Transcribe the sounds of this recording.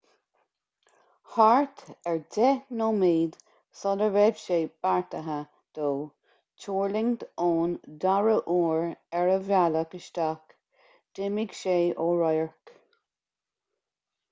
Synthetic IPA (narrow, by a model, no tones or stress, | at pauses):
haɹt̪ɛɹdɛnomiːd̪ | sɔdəɹɛbʃeːb̥aɹt̪əɦə | d̪̥oː | t͡ʃʰuːɹlɪŋt̪oːnd̪aɹəʔuːɹɛɹəvjaləkəʃt̪ak | d̥ɪmiɡʃeːʔoːɹɔjəɹk